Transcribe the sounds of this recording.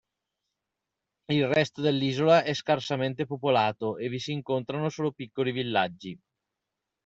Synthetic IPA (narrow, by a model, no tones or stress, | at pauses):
ilrɛst̪od̪elːiːzolaʔɛskarsament̪epopolaːt̪oʔevisiːŋkont̪ɾanosoːlopikːolivilːad͡ʒːi